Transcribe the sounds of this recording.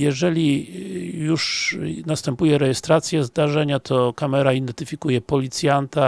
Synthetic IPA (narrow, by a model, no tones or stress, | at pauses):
jɛʐɛlʲi | juʂnast̪ɛmpujɛɾɛjɛst̪ɾat̪sʲjɛzd̪aʐɛɲat̪ʰɔkamɛɾaid̪ɛnt̪ɘfʲikujɛpɔlʲit̪sʲjant̪a